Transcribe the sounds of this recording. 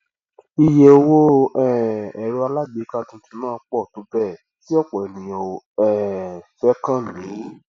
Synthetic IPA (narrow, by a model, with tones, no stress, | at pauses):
i˧je˧o˧wo˦ɛ˦˨ɛ˨ɾu˧a˧la˦ɡ͡be˨˦ka˧tũ˧ti˧mãː˦˨˧k͡pɔ˦˨tu˨˦bɛ˦˨ | ti˦ɔ˦˨k͡pɔ˨nĩ˨o˨ | ɛ˦˨fɛ˦kã˦˨lĩ˨˦